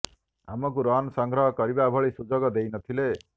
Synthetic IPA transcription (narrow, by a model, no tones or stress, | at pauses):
amɔk̬uɾɔnɔsɔŋɡɾɔɦɔkɔɾibabʱɔɭisud͡ʒoɡɔd̪ejnɔt̪ʰile